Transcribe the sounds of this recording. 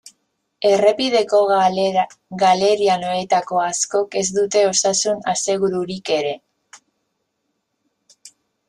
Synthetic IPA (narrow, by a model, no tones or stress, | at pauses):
e̞re̞pið̞e̞ko̞ɣ | ɣale̞ɾiano̞et̪ako̞asko̞ke̞zd̪ut̪e̞o̞sasunase̞ɣ̞uɾuɾike̞ɾe̞